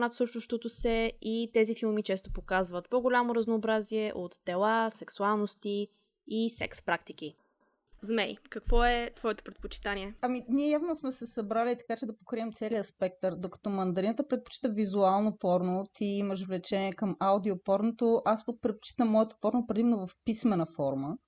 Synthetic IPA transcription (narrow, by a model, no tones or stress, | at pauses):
nat̪sɤʃt̪oʃt̪ot̪osɛit̪ɛzifilˠmit͡ʃɛst̪opokazvət̪poɡolʲamoɾəznoːbɾaziɛʔot̪ːɛlˠasɛksualˠnost̪iː | sɛ̰kspɾakt̪ik̟i | zmɛjkɐkvɔɛt̪vɔɛt̪o̥pɾɛt̪pot͡ʃi̥t̪anʲiɛɐminiɛjavnosmɛsɛsɐbɾalit̪ɐ̥kat͡ʃɛd̪ɐpokɾiɛmt̪sɛliəspɛk̚t̪əɾd̪okɐ̥t̪ɔmɐnd̪ɐɾinət̪əpɾɛt̪̚po̥t͡ʃi̥t̪əvizualˠnopɔɾnot̪iːməʃ̬vlɛt͡ʃɛniɛkəmaud̪iopɔɾnot̪oʔaspok̚pɾɛt̪̚po̥t͡ʃi̥t̪əmːɔɛt̪o̥pɔɾnopɾɛd̪imɛnovɐfpismɛnəfɔɾmə